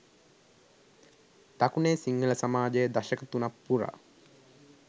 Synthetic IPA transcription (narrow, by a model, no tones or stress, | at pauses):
t̪akuneːsiŋɡələsamaːd͡ʒəjəd̪aʃəkət̪unapːuɾa̰ː